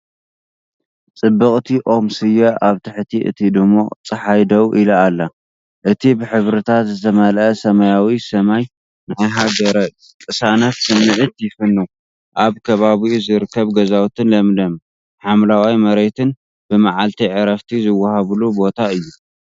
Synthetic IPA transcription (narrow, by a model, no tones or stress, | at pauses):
t͡sʼɨbːɨkʼt̪ʰiʔo̞msɨjɛʔaβt̪ʰɨħt̪ʰiʔɨ̰t̪ʰid̪ɨmːot͡sʼɐħajd̪ɐwʔilɐːlːɐ | ʔɨt̪ʰibɨħɨβɾɨt̪ʰat̪zɨt̪ʰɐmɐlʔɐsɐmɐjawisɐmaj | najɦaɡɐɾɐ | kʼɨsanɐt̪sɨnːɨʕɨt̪jɪfɨnːu | ʔaβkʰɐβaβiuzɨɾɨkʰːɐβɡɐzawt̪ʰɨnlɐmd̪ɐm | ħamlawajmɐɾet̪ʰɨn | b̥ɨmaʕalt̪ʰiʕɨɾɐft̪ʰizɨwːɐhaβlubo̞t̪ʰaɨjːu